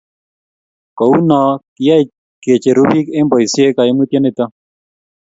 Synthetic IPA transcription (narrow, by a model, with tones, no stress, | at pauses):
kɔ˨u˦nɔ˨kɪ˦ja˦˨ | ke˨t͡ʃe˨ɾu˦bi˦ke˦mbɔ˨i˨sje˦ka˨ɪ˦mu˦t̪ja˦nɪ˦t̪ɔ˦